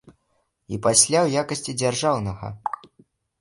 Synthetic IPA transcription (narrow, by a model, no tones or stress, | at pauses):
ipasʲlʲawjakɐsʲt͡sʲid͡zʲarʐawnɐɣɐ̰